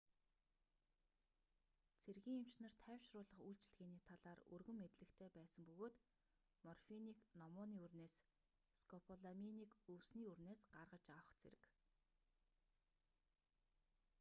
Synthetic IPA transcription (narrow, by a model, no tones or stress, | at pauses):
t͡sʰerɣʲiːŋem̥t͡ɕnə̆r̥t̪ʰæːwʲʃrʊːɮə̆χujɬt͡ɕɪ̆ɮɣeːniːt̪ʰaɮaːrɵ̰rɣɵ̆mːet̪ɮɘ̆kt̪ʰeːpæːsə̆mpɵɣoːt̪ | mɔrfiniːknɔmʊːniːɵrneːs | skʰɔpʰɔɮaminiːkɵwsniːɵrneːsɢarʁə̆t͡ɕawχt͡sʰḛɾɘ̆k